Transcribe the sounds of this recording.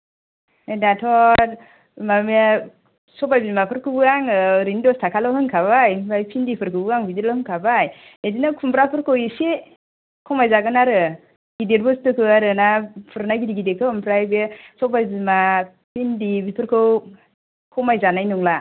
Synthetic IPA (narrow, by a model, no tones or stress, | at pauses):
datʰɔt | mam | sɔbajbimapʰɯɾkʰɯbɯaŋɯɾindɔstʰakʰalɔwhɯŋkʰaβajbajpʰindipʰɯɾkʰɯbɯaŋbidelahɯŋkʰabaj | edinakʰumpɾapʰɯɾkʰɯwise | kʰɔmajzaɡɯnaɾɯ | ɡideɾbɯstɯkʰɯaɾɯnapʰɯɾnajɡidiɡidekʰɯmpʰɾajbesɔbajbima | pʰindibipʰɯɾkʰɯw | kʰɔmajzanajnuŋla